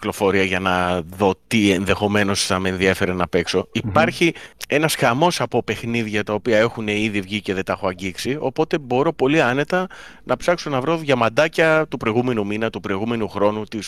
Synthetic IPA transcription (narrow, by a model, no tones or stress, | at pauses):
klo̞fo̞ɾiɐʝɐnɐðo̞t̪ie̞nðe̞xo̞me̞no̞sθɐmeːnðiefe̞ɾenɐpe̞kso̞ipɐɾçie̞nɐsxɐmo̞sɐpo̞pe̞xniðʝɐt̪ɐo̞piɐe̞xune̞iðivʝice̞ðet̪ɐxoɐɲɟiksio̞po̞t̪e̞bo̞ɾo̞po̞liɐne̞t̪ɐnɐpsɐkso̞nɐvɾo̞ðʝɐmɐd̪ɐcɐt̪upɾo̞iɣume̞numinɐt̪upɾoiɣume̞nuxɾo̞nut̪is